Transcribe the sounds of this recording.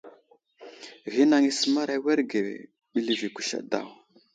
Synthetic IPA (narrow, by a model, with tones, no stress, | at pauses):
ɣi˦na˨ŋi˦sə˦ma˦ɾa˦we˦ɾɡḛ˨ | ɓi˦li˨vi˨kʷu̥˨ʃa̰˨da̰˨w